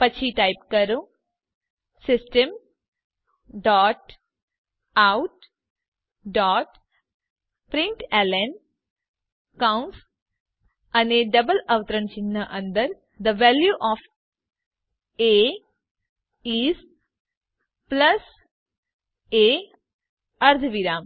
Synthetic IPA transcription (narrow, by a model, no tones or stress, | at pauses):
pɐt͡ʃʰiʈaɪpkəɾũ | sɪsʈəm | ɖɔːʈ | aʊʈ̚ | ɖɔːʈ | pɾɪ̃ɳʈelen | kawns | ɐneɖɐbəlɐʋt̪ɾə̃nt͡ʃinːəʔɐ̃nd̪əɾ | d̪əʋɛljuʔɔːf | e | iːs | plɐs | eː | ɐɾd̪ʰʱʋiɾaːm